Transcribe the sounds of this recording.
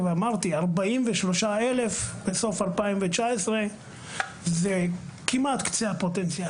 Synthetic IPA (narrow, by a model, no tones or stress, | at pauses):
veamaʁt̪iaʁbaimveʃlo̞ʃaele̞fbeso̞falpaimvet͡ʃaesʁe | zekimat̪kt͡seapo̞t̪ent͡sia